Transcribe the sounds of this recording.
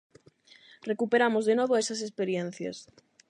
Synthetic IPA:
rekupeɾamozðenoβoesɐs̬espeɾjen̟θja̰s

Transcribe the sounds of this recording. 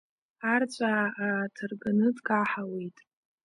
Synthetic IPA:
art͡ɕʷʼaatʰɨrɡanɨdɡʼaħawejtʼ

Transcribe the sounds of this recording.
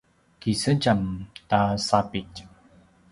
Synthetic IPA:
kisət͡ʃamtasapit

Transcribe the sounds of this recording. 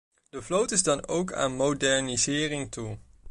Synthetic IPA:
d̥əvlowtɪzdɑno̰wkʰa̰ːnmowdɛɹnizɪːrɪŋtu

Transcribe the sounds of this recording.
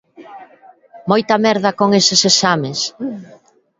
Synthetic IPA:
mojt̪ɐmɛɾðɐkoŋesɪsesamɪs

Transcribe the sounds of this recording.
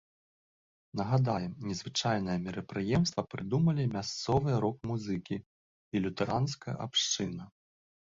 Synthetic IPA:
nɐɣad̪ajɛmnʲɛzvɨt͡ʂajnɐjɐmʲɛɾɐpɾɨjɛmst̪vɐpɾɨd̪umɐlʲimʲast̪sɔvɨjɐɾɔk̚muzɨkʲi | ilʲut̪ɛɾanskɐjɐ̰ʔa̰pʂt͡ʂɨnɐ

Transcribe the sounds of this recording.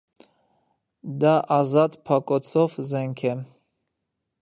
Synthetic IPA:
d̪aʔazad̪pʰakʼɔt͡sʰɔvzɛŋkʰɛ

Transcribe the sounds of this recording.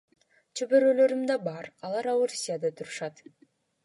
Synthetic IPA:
t͡ʃʰøbøɾølø̞ɾymd̪ɑbɑɾɑlˠɑɾawuɾusʲijad̪ɑt̪ʰuɾuʃɑt̪

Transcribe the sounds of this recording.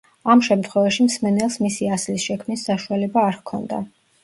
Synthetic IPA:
amʃɛmt̪ʰχwɛvaʃimsmɛnɛlˠsmisiaslisʃɛkʰmnisːaʃualɛbaːɾkʰɔ̰nd̪a̰

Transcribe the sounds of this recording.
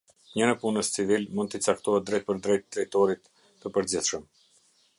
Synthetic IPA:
ɲənɛpunəst͡sivilmund̪̚t̪it͡sakt̪ɔhɛt̪̚d̪ɾɛjt̪̚pəɾd̪ɾɛjt̪t̪ːɾɛjt̪ɔɾit̪ː | əpəɾd͡ʑiθʃəm

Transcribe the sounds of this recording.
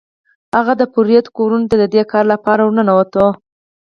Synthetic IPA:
haɣad̪əpʊɾjat̪koɾunot̪ad̪əd̪ekɑɾlapɑɾawnənawat̪o

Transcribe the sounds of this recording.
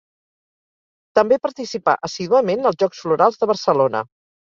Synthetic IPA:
t̪əmbepəɾt̪isipa̰ʔəsiðuəmenəlˠzʒɔksfluɾalˠzðəβ̞ərsəlonə̰

